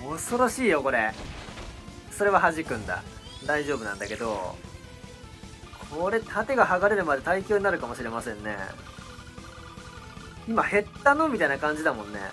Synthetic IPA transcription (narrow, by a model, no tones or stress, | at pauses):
oso̞ɾo̞ɕiːjo̞ko̞ɾe̞ | so̞ɾe̞βaɦaʑikɯ̟̃nd̪a̰ | d̪aiʑo̞ːbɯ̟nã̰nd̪ake̞d̪o̞̰ | kʰoɾe̞t̪ʰat̪e̞ɡahaɡaɾe̞ɾɯ̟mad̪e̞t̪aikʲoːɲ̟inaɾɯ̟kamo̞ɕiɾe̞masẽ̞nːe̞̰ | imahe̞t̪ːanõmʲit̪ainakãɲ̟d͡ʑid̪amõ̞nːe̞̰